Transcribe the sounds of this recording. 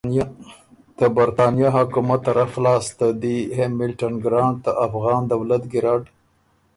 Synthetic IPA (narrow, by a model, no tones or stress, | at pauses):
t̪əbaɾt̪ɑnjɑɦakumat̪ːaɾaxlɑːst̪ad̪ihemɪlʈanɡɾɑɳɖt̪aʔafɣɑːnd̪awlat̪ɡɪɾɑɖ